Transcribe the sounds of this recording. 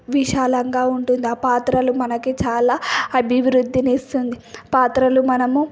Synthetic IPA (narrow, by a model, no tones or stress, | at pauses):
ʋiʃaːlɐŋɡaːuɳʈund̪iaːpaːt̪ɾɐlumɐnɐket͡ʃaːlaːɐbʱiʋɾud̪ːiniːst̪und̪ipaːt̪ɾɐlumɐnɐmu